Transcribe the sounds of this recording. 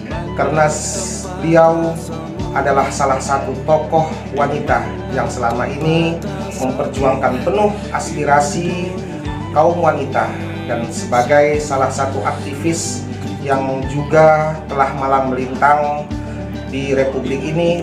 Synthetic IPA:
kərənas | ət̪iaw | ʔadalahsalahsat̪ut̪ɔkɔh | wanit̪a | jaŋsəlamaʔini | məmpərd͡ʒuaŋkanpənʊhʔaspiɾasi | kaumwanit̪a | dansəbaɡajsalahsat̪uʔak̚t̪ifɪs | jaŋd͡ʒuɡat̪əlahmalaməlint̪aŋ | diɾepublɪkini

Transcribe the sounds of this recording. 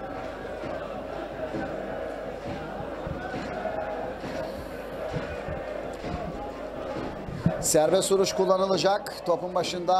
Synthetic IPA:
sæɾbɛsuɾuʃkulˠːanɯlˠad͡ʒak | t̪ʰo̞pumbaʃɯnd̪a

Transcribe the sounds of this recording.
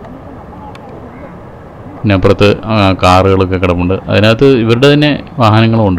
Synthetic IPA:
nepːrɐt̪ːɨkaːrɨɣɐɭokːekːiɽɐmːuɳɖɨʔɐ̰ðinaːt̪ːɨiʋɐɾuɽe̞t̪ɐnːe̞ʋaːhɐnɐŋːɐɭoɳɖɨ

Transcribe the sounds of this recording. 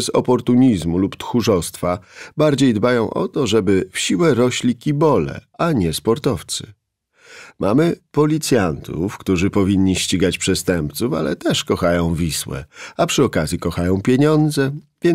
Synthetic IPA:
zɔ̰pɔɾt̪uɲizmulupt̪xuʐɔst̪fabaɾd͡ʑejd̪bajɔ̃w̃ʔɔ̰t̪ɔʐɛbɘfɕiwɛɾɔɕlʲikʲibɔlɛ̰ | aɲɛspɔɾt̪ɔft̪sɘ̥̰ | mʔa̰mɘpɔlʲit̪sʲjant̪ʰṵfkt̪uʐɘpɔvʲiɲːiɕt͡ɕiɡat͡ɕpʂɛst̪ɛmpt̪sufa̰lɛ̰t̪ɛʂkɔxajɔ̃w̃vʲiswɛ̰apʂɘɔkazʲjikɔxajɔ̃w̃pʲjeɲɔnd̪zɛvʲjɛ

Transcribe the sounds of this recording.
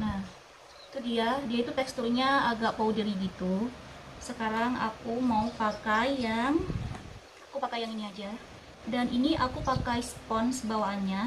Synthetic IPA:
nah | t̪uhdiadiait̪ut̪ɛkst̪urɲaaɡaʔpaudaɾiɡit̪usəkaɾaŋa̰kumaupakajaŋ | akupakajaŋiniad͡ʒa | danʔiniʔakupakajsə̥pɔnsəbawaɲa

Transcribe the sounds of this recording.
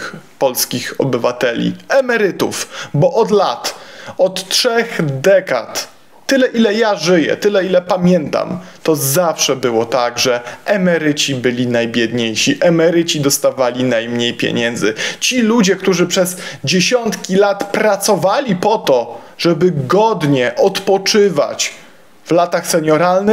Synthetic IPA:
pɔlskʲixɔ̰bɘvat̪ɛlʲḭɛmɛɾɘt̪ṵfbɔʔɔd̪lat̪ɔt̪tʂɛxd̪ɛka̰t̪ː | ɘlɛʔilɛjaʐɘjɛ̰t̪ɘlɛilɛpamʲjɛnt̪a̰mt̪ɔzafʂɛbɘwɔt̪aɡʐɛʔɛmɛɾɘt͡ɕibɘlʲinajbʲjɛd̪ɲejɕiʔɛmɛɾɘt͡ɕid̪ɔst̪avalʲinajmɲejpʲjḛɲɛnd̪zɘt͡ɕilud͡ʑɛkt̪uʐɘpʂɛzd͡ʑeɕɔnt̪kʲilat̪pɾat̪sɔvalʲipɔt̪ɔ | ʐɛbɘɡɔd̪ɲɛʔɔt̪pɔt͡ʂɘva̰t͡ɕ | vlat̪axsɛɲɔɾalnɘ

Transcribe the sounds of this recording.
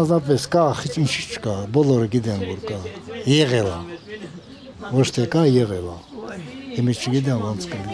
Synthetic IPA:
nzɑpɛskɑχit͡ʃʰint͡ʃʰi̥t͡ʃʰə̥kɑbɔlɔɾəɡid̪ɛnvɔɾkɑjɛʁɛla | vɔt͡ʃʰt̪ʰɛkɑjɛɣɛla | imit͡ʃʰəɡid̪ɛnvɔnt͡sʰkəli

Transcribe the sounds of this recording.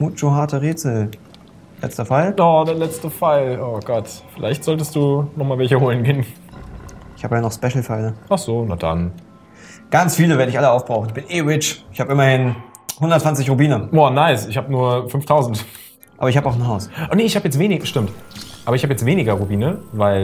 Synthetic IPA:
mut͡ʃoɦaɐtəʁeːt͡sl̩ | lɛ̰t͡stɐfaɪldɔd̥eːɐlɛt͡stəfaɪloːɡ̥ɔtfɪlʔa̰ɪçtz̥ɔltəstd̥uːnɔχmaːlvɛlçəhoːlənɡeːn | ʔɪçha̰ːbəjaːnɔχspɛʃl̩faɪləʔaχz̥oːnad̥a̰n | ɡ̥ant͡sfiːləveɐɾəɪçʔaləaʊfb̥ʁaʊχn̩ɪçb̥ɪnʔeːʁɪt͡ʃɪçhaːbəɪmɐhɪn | hʊndɐtt͡sv̥ant͡sɪçʁ̥ubiːnəoːnaɪsɪçhaːbənuːɐfʏnftʰaʊzn̩t | ʔaːbɐɪçhaːbaʊxn̩ɦaʊsʔnəɪçhaːbjɛt͡stveːnɪʃtɪmtʔaːbɐɪçhaːbjɛt͡stv̥eːnɪɡɐʁubiːnəvaɪl

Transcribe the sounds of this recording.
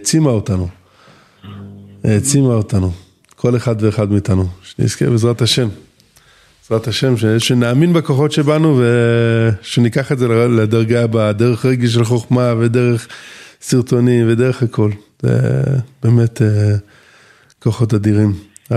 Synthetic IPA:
t͡simaotanu | t͡simaotanu | kʰo̞leχadve̞ːχadmiːtanuʃenḭskḛbezʁathaʃe̞m | ez̥ʁataʃe̞mʃeʃenaːminbeko̞χo̞tʃe̞banuve | ʃenikaχetzeled̪aʁɡaːbad̪eʁeχʁeɡiʃ̬elχo̞χmavedeʁeχsiʁto̞nimved̪eʁeχakʰo̞lzḛb̥eːme̞te | ko̞χo̞tadiʁim

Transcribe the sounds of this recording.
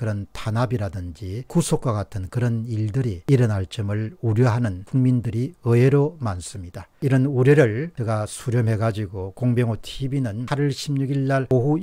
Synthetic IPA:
kɯɾʌntʰanabiɾadɯnd͡ʑikusʰok͈waɡatʰɯnkɯɾʌniɭdɯɾiiɾʌnaɭt͡ɕ͈ɯmɯɭuɾjʌɦanɯnkuŋmindɯɾiɯeɾomans͈ɯmɲidaiɾʌnuɾjʌɾɯɭnɯɡasʰuɾjʌmɦe̞ɡad͡ʑiɡokoŋbjʌŋotʰibinɯnaɾiɭɕʰimɲuɡiɭːaɭoɦu

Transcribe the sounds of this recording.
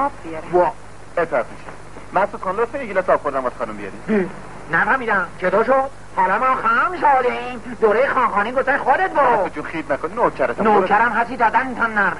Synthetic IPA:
biɾvɒ | et̪ʰːæt̪miʃæ̰ | mænsot̪χɑːnɾosejeɡilɛsɒːpxoɾd̪æmbasxɒːnumbijɒ̰ɾḭm | næfæɾmiːd̪æmt͡ʃʰed̪ɒːʃod̪̥̚ | hɒːlɒːmɒːxæmʃɑd̪imd̪oːɾejexɒːnχɒːniːɡoft̪æʃxod̪et̪̚bot̪ot͡ʃʰunxiːd̪̚nækoninoːcʰæɾɛt̪noːkʰæɾæmɦæsid̪ɒːd̪ænit̪ʰɒnːæɾm

